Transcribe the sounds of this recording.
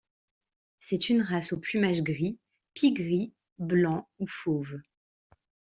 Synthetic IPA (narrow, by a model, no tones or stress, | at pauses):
sɛt̪ʰynʁasoplymaʒɡʁi | pʰiɡʁi | blɑ̃ufoːv